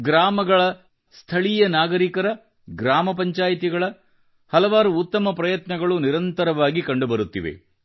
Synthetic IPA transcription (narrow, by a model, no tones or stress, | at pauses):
ɡɾaːmɐɡɐɭɐ | st̪ʰɐɭijɐnaːɡɐɾikɐɾɐ | ɡɾaːmɐp̬ɐɲt͡ʃaːjit̪iɡɐɭɐ | hɐlɐʋaːɾuːt̪ːɐmɐpɾɐjɐt̪nɐɡɐɭuniɾɐnt̪ɐɾɐʋaːɡikɐɳɖubɐɾut̪ːḭʋḛ